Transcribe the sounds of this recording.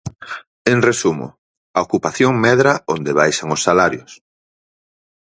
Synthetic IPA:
eŋresumʊ̰ | aokupaθjoŋmɛðɾaond̪eβ̞ajʃaŋosːalaɾjʊs

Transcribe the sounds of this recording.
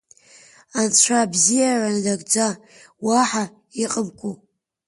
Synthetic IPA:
ant͡sʷʰabzijarandaɡʼd͡za | waħa | iqʼəmkʷʼu

